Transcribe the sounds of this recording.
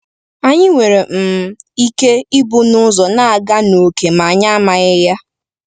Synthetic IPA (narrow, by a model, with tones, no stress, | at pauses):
a˦ɲɪ˦ŋʷe˨ɾe˨m̩˨m˨i˦ke˦ɪ˦bʊ˦nʊ˦zɔ˨na˦a˨ɡa˦no˨ke˨ma˨a˨ɲa˦a˦ma˨ɣɪ˦ja˦